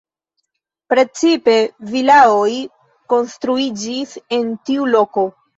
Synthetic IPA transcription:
pɾe̞t͡sipe̞vilaoj | ko̞nstɾuid͡ʒise̞ntiulo̞ko̞

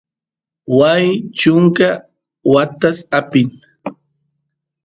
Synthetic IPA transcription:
wajt͡ʃʊŋka | wat̪asapɪŋ

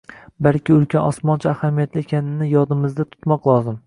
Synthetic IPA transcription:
balkʲɪʊlkʲʰanɒsmɒnt͡ʃʰaːhamijat̪lɪekʲʰanɪnɪjɒd̪ɪmɪzd̪at̪ʰʊ̥t̪mɒqlˠɒzɪm

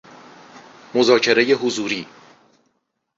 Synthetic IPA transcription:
mozɒːcʰe̞ɾe̞jeɦuzuːɾiː

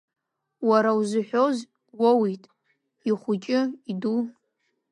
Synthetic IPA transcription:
waɾawzɨħʷᶣoz | wowitʼ | iχʷʊt͡ʃʼɪidu

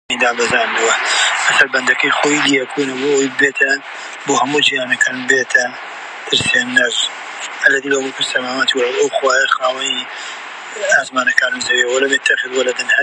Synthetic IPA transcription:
id̪aːbɐzaːnduwɐmɐsɐlbɐnd̪ɐkɐjxoːjid̪iɐkʰunɐboojbeːt̪ʰɐ | boːhɐmud͡ʒijaːnɐkʰaːnbet̪ʰɐ | t̪ʰɨɾsenːɐz | ɐlɐd̪iːlɐwɐpʰɨɾsɐmaːmat̪iwɐlʔɐwxwaːjɐxaːwɐni | aːsmaːnɐkaːnuzɐɾiwɐlɐmet̪ʰɐxɪd̪wɐlɐd̪ɨnhɐ

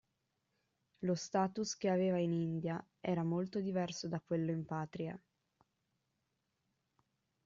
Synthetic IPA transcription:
lost̪aːt̪usk̟eaveːvainind̪ja | ɛːɾamolt̪od̪ivɛrsod̪akwelːoimpaːt̪ɾia̰

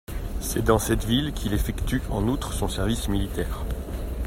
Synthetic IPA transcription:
sɛd̪ɑ̃sɛt̪vilkʲʰilefɛkt̪yɑ̃nut̪χsɔ̃sɛʁvismilit̪ɛːʁ

